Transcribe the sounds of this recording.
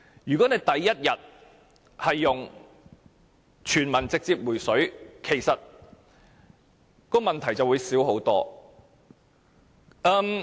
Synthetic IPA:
jyː˨˩kɔ˨˥ne˨˧jt̪ɐ˨jːɐ˥t̚jɐ˨t̚ | hɐ˨jːʊ˨ŋ | t͡ʃʰyː˨˩nmɐ˨˩nt͡sɪ˨k̚t͡siː˧p̚wuː˨˩jsɵ˨˥ɥkʰe˨˩jsɐ˨t̚ | kɔː˧mɐ˨nt̪ʰɐ˨˩jt͡sɐ˨wuː˨˧jsiː˨˥wɦo˨˥wt̪ɔ̰ː˥ | ʔɐː˧m

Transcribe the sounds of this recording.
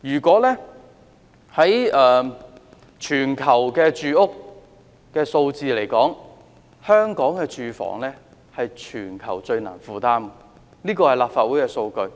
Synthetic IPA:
jyː˨˩kwɔː˨˥lɛː˥ | hɐ˨˥jɛː˨˧ | t͡ʃʰyː˨˩nkʰɐ˨˩wkɛː˧t͡ʃyː˧ʊ˥k̚ | kɛː˧so˧wt͡siː˨le˨˩jkɔː˨˥ŋ | hœː˥ŋkɔː˨˥ŋkɛː˧t͡ʃyː˧fɔ̰ː˨˩ŋlɛː˥ | hɐ˨jt͡ʃʰyː˨˩nkʰɐ˨˩wt͡ʃɵ˧ɥna̰ː˨˩nfuː˨t̪aː˥m˧ | niː˥kɔː˧hɐ˨˩jlaː˨pfaː˧t̚wuː˨˥jkɛː˧so˧wkɵ˧ɥ

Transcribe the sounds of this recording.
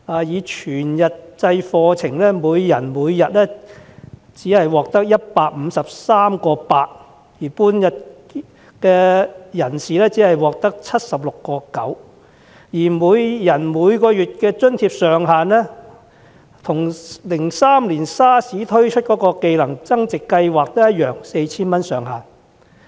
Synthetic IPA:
aː˨˧jiː˨˧t͡ʃʰyː˨˩njɐ˨t̚t͡sɐ˧jfɔː˧t͡sʰɪ˨˩ŋlɛː˥muː˨˧jːɐ˨˩nmuː˨˧jːɐ˨t̚lɛː˥ | t͡siː˨˥hɐ˨jwɔː˨˩k̚t̪ɐ˥k̚jɐ˥t̚paː˧k̚m̩˨˧sɐ˨p̚saː˥mkɔː˧paː˧k̚ | jiː˨˩puː˥njɐ˨t̚ | kɛː˧jɐ˨˩nsiː˨lɛː˥t͡siː˨˥hɐ˨jwɔː˨k̚t̪ɐ˥k̚t͡sʰɐ˥t̚sɐ˨p̚lʊ˨kːɔː˧kɐ˨˥w | jiː˨˩muː˨˧jjɐ˨˩nmuː˨˧jkɔː˧jyː˨t̚kɛː˧t͡ʃɵ˥nt̪ʰiː˧p̚sœː˨ŋɦaː˨nlɛː˥ | t̪ʰʊ˨˩ŋlɪ˨˩ŋsaː˥mliː˨˩nsaː˥siː˨˥t̪ʰɵ˥ɥt͡ʃʰɵ˥t̚kɔː˨˥kɔː˧ke˧jlɐ˨˩ŋt͡sɐ˥ŋt͡sɪ˨kːɐ˧jwaː˨k̚t̪ɐ˥jɐ˥t̚jœː˨˩ŋse˧jt͡sʰiː˥nmɐ˥nsœː˨˩ŋɦaː˨˩n

